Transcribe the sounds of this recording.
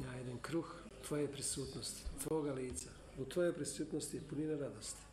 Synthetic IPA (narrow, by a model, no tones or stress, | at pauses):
jaːjed̪enkɾux | t̪ʋojepɾisuːt̪nost̪i̥t̪ʋo̞ːɡaliːt̪sa | ut̪ʋojojpɾisuːt̪nost̪ipuninaɾad̪ost̪